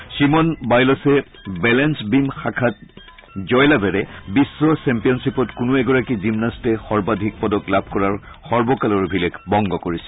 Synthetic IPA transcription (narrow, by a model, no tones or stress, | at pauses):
ʃimɔnbajlɔsɛ | bɛlɛnsbimxakʰat̚ | zɔjlabɛɹɛbisːɔsɛmpijɔnsipɔtkʊnʊɛɡɔɹakizimnastɛxɔɹbadʱik̚pɔdɔklabʱkɔɹaɹ | xɔɹbɔkalɔɹbʱilɛkbɔŋɡɔkoɹisɛ̥